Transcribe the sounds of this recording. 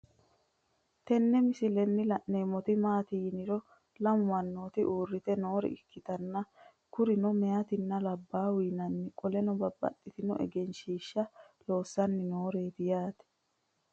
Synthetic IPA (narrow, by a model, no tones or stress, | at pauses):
t̪ɛnːɛmɪsɪlɛnːɪlɐʔneːmɔt̪ɪmaːt̪iːnɪɾɔ | lɐmwɐnːoːt̪ɪʔuːrːɪt̪ɛno̞ːɾɛ̰ɪkʰːɪt̪ɐnːɐ | kʊɾɪnɔmɛjɐt̪ɪnːɐlɐbːaːwiːnɐnːɪkʼɔlɛnɔbɐbːɐ̰t̪ʼːɪt̪ɪnɔ̰ʔɛ̰ɡɛnʃiːʃːɐ | lo̞ːsːɐnːɪno̞ːɾeːt̪ɪjaːt̪ɛ̥